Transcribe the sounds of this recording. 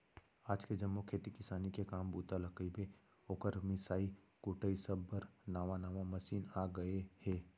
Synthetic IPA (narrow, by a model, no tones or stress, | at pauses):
aːd͡ʒked͡ʒɐmːokʰeːt̪ikɪsaːnikekaːmbuːt̪alɐkibe | oːkəɾmɪsaːi | kuːʈʰəisəbːəɾnaːʋanaːʋamɐʃiːnaːɡɐehɛː